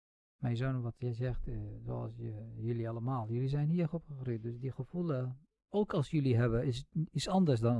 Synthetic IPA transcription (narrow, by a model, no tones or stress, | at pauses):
majəzonʋɔtjɛjzɛxtzo̰a̰lˠsəjølialˠəmaːlˠjøliz̬ɛjnhiəxopxəxrip̚døsdixəfulˠə | oːkɑlˠsjøliɦɛbəɪsisandəs̬dɔn